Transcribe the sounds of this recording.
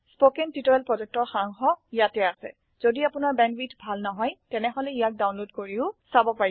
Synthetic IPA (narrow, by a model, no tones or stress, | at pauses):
spokɛntitɔɛlpɹɔzɛk̚tɔɹxaŋxɔijatɛasɛ̰ | z̥odiapʊnaɹbɛnbitbʱalnɔɦɔjtɛnɛɦɔlɛijak̚dawnlodkoɹiʊsabɔpaɹi